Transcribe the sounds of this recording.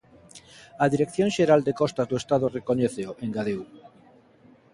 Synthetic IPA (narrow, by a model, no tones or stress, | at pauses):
aðiɾekθjõŋʃeɾald̪ekɔst̪azd̪oest̪aðorekoɲeθeoʔeŋɡaðew